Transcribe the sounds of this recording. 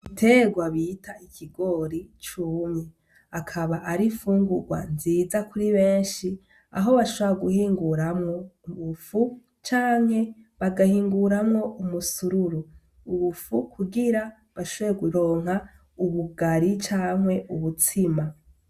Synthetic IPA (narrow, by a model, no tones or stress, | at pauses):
itʰe̞ɡwaβitʰaikʰiɡo̞ɾit͡ʃuːmɲe | akʰaβaʔaɾifuːŋɡuɡwa̰nziːzakʰuɾiβe̞ːnʃi | a̰ɦo̞βaʃoβɾaɡuhiːŋɡuɾamŋo̞uβufu | t͡ʃaːŋ̥he̞βaɡahiːŋɡuɾamŋo̞ʔumusuɾuɾu | uβufukʰuɡiɾa | βaʃoβojeɡuɾo̞ːŋ̥a | uβuɡaɾit͡ʃaːŋ̥he̞ʔuβut͡sʰima